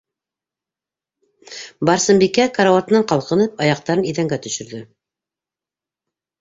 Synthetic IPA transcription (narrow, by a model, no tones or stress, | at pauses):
bɑɾsɤ̆mbikækaɾawɑt̪nɑɴqɑlˠqɤ̆nɤpɑjɑq̚t̪ɑɾɤniðæŋɡæt̪ɵ̆ʃɵ̆ɾðɘ